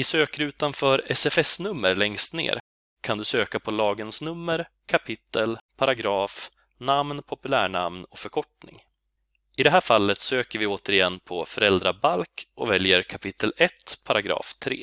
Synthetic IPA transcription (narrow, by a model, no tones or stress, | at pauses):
ɪsøːkəɾʉ̟ːt̪anfœːɾɛsɛfɛsnɵmːəɾlɛŋst̪nḛːɾ | kʰand̪ɵsøːkapʰɔlɑːɡənsnɵmːəɾ | kʰapʰɪt̪ʰːəlpʰaɾaɡɾɑːf | namnpʰɔpɵlæ̰ːɳa̰mnɔfœɾkʰɔʈnɪ̰ŋ | ɪd̪ɛɦæːɾfalːət̪søːkəɾvɪoːt̪əɾɪjɛnːpʰɔfœɾɛld̪ɾabalkɔvɛljəɾkʰapʰɪt̪ʰːəlɛt̪pʰaɾaɡɾɑ̰ːft̪ʰɾḛː